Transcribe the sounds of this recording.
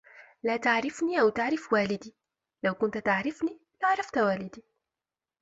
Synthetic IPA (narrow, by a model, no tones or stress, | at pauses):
laːt̪aʕɾɪfniːʔawt̪aʕɾɪfwaːlɪd̪iː | lawkʊnt̪t̪aʕɾɪfniː | lɪʔaʕɾˤɑft̪waːlɪd̪iː